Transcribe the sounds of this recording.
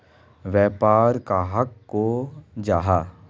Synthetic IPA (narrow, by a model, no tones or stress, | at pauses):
ʋjɛːpaːɾkaːɦɐkːod͡ʒaːɦaː